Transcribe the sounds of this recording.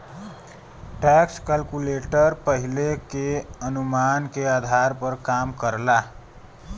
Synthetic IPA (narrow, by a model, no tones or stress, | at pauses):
ʈɛkskælkuleʈəɾpəɦilekeənumankead̪ʱaɾpəɾkamkəɾla